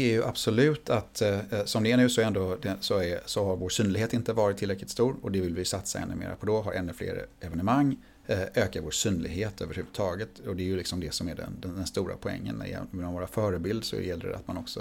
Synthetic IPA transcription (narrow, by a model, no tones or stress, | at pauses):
æɾjɵʔab̥sɔlʉ̟ːt̪ʰat̪sɔmd̪ɛɛnʉ̟ːsɔɾɛnd̪od̪ɛsɔæɾsɔhaɾvoːʂyːnlɪɡheːt̪ɪnt̪əvɑːɾɪt̪ʰːɪlɾɛklɪt̪st̪uːɾɔd̪ɛvɪlvɪsat̪saɛ̰nːɵ̟mḛːɾa̰pʰɔd̪ɔɦaɾʔɛnːɵflḛːɾə̰ɛvɛnəmaŋː | ʔøːkaɾvoːʂyːnlɪɡɦeːt̪ʰøːvəɾhʉ̟vɵ̥t̪ʰɑːɡət̪ɔd̪ɛæɾjɵlɪksɔmd̪ɛsɔmæɖɛ̰nd̪ɛnd̪ɛnst̪uːɾa̰pʰɔɛ̰ŋːə̰n̰ɛ̰vːnavoːɾafœːɾəbɪld̪sɔ̰ɛ̰jɛlːə̰ɾ̰a̰t̪manɔksɔ